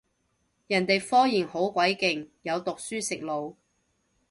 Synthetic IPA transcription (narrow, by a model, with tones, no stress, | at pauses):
jɐ˨˩nt̪e˨jfɔː˥ŋjiː˨˩nho˨˥wkʷwɐ˨˥jkɪ˨ŋjɐ˨˧wt̪ʊ˨k̚syː˥sɪ˨k̚lo˨˧w